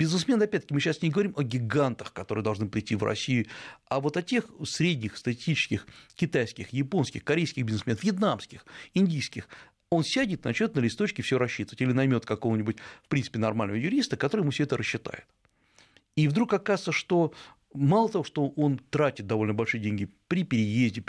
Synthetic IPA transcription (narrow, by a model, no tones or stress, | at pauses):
bʲɪznɨsmʲe̞nɐpʲɛt̪̚ʲːə̥kʲɪmɨɕːasnʲɪɡəvɐɾʲimʔɐɡʲɪɡant̪əxkɐt̪oɾɨəd̪ɐlˠʐnɨpɾʲɪtʲːivrɐ̰sʲijʊavo̞t̪ɐtʲe̞xsɾʲedʲnʲɪxst̪ətʲɪ̥sʲt̪ʲit͡ɕɪ̥skʲɪxkʲɪt̪ajskʲɪxjɪpo̞nskʲɪxkɐɾʲejskʲɪxbʲɪznɨsmʲenəfvjɪt̪namskʲɪxɪnʲdʲijskʲɪx | o̞nsʲædʲɪt̪nɐt͡ɕnʲot̪nəlʲɪst̪o̞t͡ɕkʲɪfsʲɪoɾɐɕːit̪əvətʲilʲɪnɐjmʲo̞t̪kɐko̞vənʲɪbʊtʲfpɾʲint̪pʲɪnɐrmalʲnəvəjʊɾʲist̪əkɐt̪oɾɨjmufsʲɛt̪əɾʔəɕːɪt̪a̰jɪt̪ | ivd̪ɾukɐkazɨt̪səʂt̪o̞ | malˠət̪ɐvo̞ʂt̪o̞ʔo̞nt̪ɾatʲɪt̪̚d̪ɐvo̞lʲnəbɐlʲʂɨjədʲenʲɡʲɪpɾʲɪpʲɪɾʲɪjezʲdʲɪ